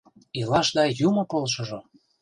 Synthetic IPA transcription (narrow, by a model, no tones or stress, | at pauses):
ilɑʃd̪ɑjumŏkolʃɤ̆ʒo